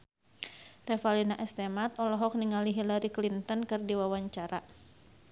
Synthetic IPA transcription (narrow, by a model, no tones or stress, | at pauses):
rɛfalinaʔɛst̪ɛmat̪̚ɔlɔɦɔk̚niŋaliɦilaɾiklint̪ɔnkɨrdiwawaɲt͡ʃaɾa